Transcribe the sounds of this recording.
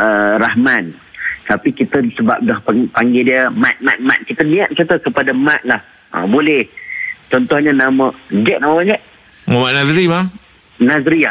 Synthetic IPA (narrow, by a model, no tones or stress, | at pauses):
ʔəɾahman | t̪apikit̪əsəba̰p̚dahpapaŋɡediəmat̪̚mat̪̚ma̰t̪̚kit̪ənĩaʔ̪̚sat̪ukəpadamãt̪̚lah | ə̰bolɛht͡ʃɔnt̪ɔhɲənaməd͡ʒɛʔ̚naməmad͡ʒɛʔ̚ | məmaʔnazɾima | nazɾia